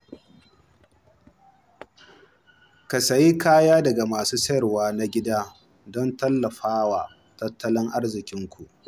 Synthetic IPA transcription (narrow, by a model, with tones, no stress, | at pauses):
kɐ˨sɐ˨ji˦kaː˦jaː˦dɐ˨ɡa˨maː˨suː˦sɐ˦jɐ˨rwaː˦na˦ɡʲɪ˦daː˦ | dɔ˦ntɐ˦lːɐ˨ɸaː˦waː˨ | tɐ˦tːɐ˦lɪ˦ŋʔa˦ɽzɪ˨kʲɪ˦ŋkʷu˨ʔ